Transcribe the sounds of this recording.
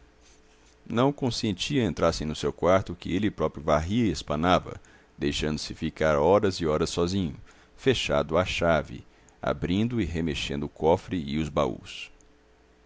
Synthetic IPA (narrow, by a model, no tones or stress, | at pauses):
nɐ̃w̃kõsẽnt͡ʃiɐẽnt̪ɾaɾsẽnʊsewkwaɾt̪ʊkɪelɪpɾɔpɾjʊvaɦiɐɪespɐ̃navɐ̰ | d̪ejʃɐ̃nd̪ʊ̥sɪfikaɾɔɾɐzɪɔɾɐsɔzĩɲʊ | feʃad̪ʊaʃavɪ̰ | a̰bɾĩnd̪ʊɪɦemeʃẽnd̪ʊːkɔfɾɪɪʊzbaṵs